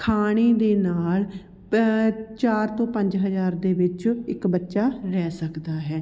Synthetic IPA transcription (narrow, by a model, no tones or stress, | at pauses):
kʰaːɽ̃iːd̪eːnaːl | t͡ʃaːɾt̪õːpə̃ɲd͡ʒɦəzaːɾd̪eːʋɪt͡ʃɪkbətːʃaːɾɛːsəkd̪aːɦɛː